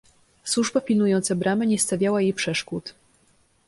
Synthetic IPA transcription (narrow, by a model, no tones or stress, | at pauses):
swuʐbapʲilnujɔnt̪sabɾamɘɲɛst̪avʲjawajejpʂɛʂkut̪